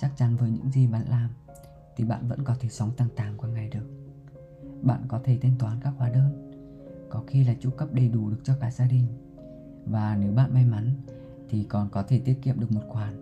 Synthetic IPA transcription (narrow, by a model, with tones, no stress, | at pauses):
t͡ɕa˦˥k̚t͡ɕa˨˦nvəː˨˦jɲɨ̰˧˥ŋzi˨˩ɓa˨˦nlaː˨˩m | t̪ʰi˨˩ɓa̰ː˧˨nvə̰˧˥nkɔ˨˦t̪ʰe˧˩sə˨˦wŋ͡mt̪a˧˩ŋt̪aː˨˩ŋkwaː˧˩ŋa˨˩jɗɨ˨˩ək̚ | ɓa̰ː˧˨nkɔ˨˦t̪ʰe˧˩t̪ʰe˧nt̪waː˨˦nkaː˦˥k̚hwaː˨˦ɗəː˧n | kɔ˨˦xi˧laː˨˩t͡ɕṵ˧˥kə˦˥p̚ɗe˨˩jɗu˧˩ɗɨ˨˩ək̚t͡ɕɔ˧kaː˧˩jzaː˧ɗï˨˩ŋ̟ | vaː˨˩ne˨˦wɓa̰ː˧˨nma˧jma˨˦n | t̪ʰi˨˩kɔ˨˩nkɔ˨˦t̪ʰe˧˩t̪i˦˥ət̚ki˧˨əm̚ɨ˨˩ək̚mo˨˩t̚xwaː˨˩n